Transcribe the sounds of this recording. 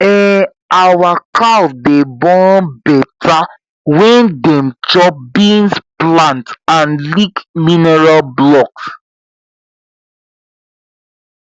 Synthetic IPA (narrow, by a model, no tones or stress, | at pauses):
ɛ̃ | awakadebɔ̃nbɛtʰa | wɛ̃ndɛ̃mt͡ʃɔp̚bĩnsplãntãnlikminɛɹalblɔks